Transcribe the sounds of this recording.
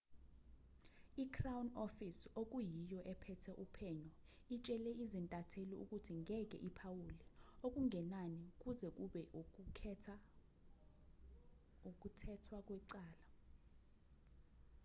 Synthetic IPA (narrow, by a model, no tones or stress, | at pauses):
ikʰrawnofisok̬ʼujijɔʔɛpʰɛtʰɛʔupʰɛɲɔ | it͡ʃʼɛlɛizintʼatʰeliṵk̬ʼutʰiŋɛk̬ʼɛ̰ʔipʰawuliok̬ʼuŋʱɛnanik̬ʼuzɛk̬ʼuɓɛʔʰɛa | uk̬ʼutʰɛtʰwak̬ʼwɛǀaːla